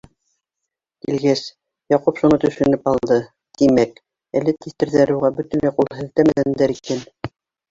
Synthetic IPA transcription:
kilɡæs | jɑqupʃunɤt̪ɵ̆ʃɵ̆nɘpɑlˠd̪ɤ | d̪̥imæk | æ̆lɘt̪iθt̪ɘ̆ɾðæɾɘ̆wʁɑbɵt̪ɘ̆nlæjqulˠɦɘ̆ðt̪æmæðænd̪æɾikæn

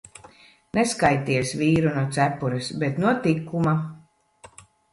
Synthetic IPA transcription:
neskajt̪iɛsviːɾunuɔt̪sæpːuɾɛsbet̪nuɔt̪ikːuma

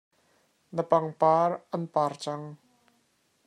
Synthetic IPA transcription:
nəpaŋpaːrʔɐnpaːrt͡saŋ

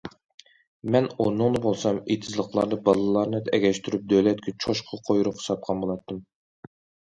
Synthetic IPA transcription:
mɛnoɾnʊŋd̪ɨbolˠsɑmet̪ʰɪzlˠəqlˠɑ̰ɾnɨbɑlˠɨlˠɑɾnɨd̪ɛɡʲɛʃt̪ʰyɾyp̚d̪øwlɛt̪̚kʲɛt͡ʃʰoʃqʰɑqʰojuɾʊpχsɑt̪̚qʰɑnbolˠɑt̪ʰːɨm

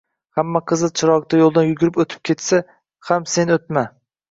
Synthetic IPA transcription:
hamːaqʰɨzɨt͡ʃʰɪɾɒk̚t̪ʰajolˠd̪anjʊɡʲɪɾɪpɵt̪ʰɪ̥p̚kʲʰe̞t̪sa | hamse̞not̪̚ma

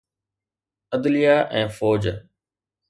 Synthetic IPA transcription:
əd̪lijaːʔɛ̃ːfoːd͡ʑ

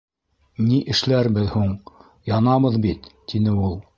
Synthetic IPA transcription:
niʔɘ̆ʃlæɾbɘðhuɴ | jɑnɑβɤðbit̪ːinɘulˠ

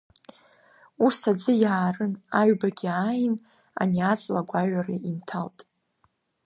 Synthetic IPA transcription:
usad͡zɨjaːrɨnaɥbaɡʲiajn | a̰niat͡sʼlaɡʷaɥaraintʰawtʼ

